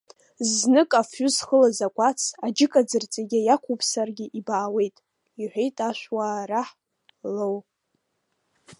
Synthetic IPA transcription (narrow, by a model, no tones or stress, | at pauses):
znɨkʼafʊzχəlazakʷʼat͡sʰad͡ʒɪkʼad͡zɨrt͡sʼeɡʲajakʷʰupʰsarɡʲɪʔibaːwe̞jtʼ | iħʷᶣejtʼaʃʷwaːɾaħ | low